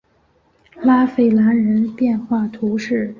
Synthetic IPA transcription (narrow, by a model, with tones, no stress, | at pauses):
la˥fe˥˩ɪla˧˥nɻə˧˥npjɛ˥˧nxwa˥˩t̪ʰu˧˥ʂɻ̩˥˩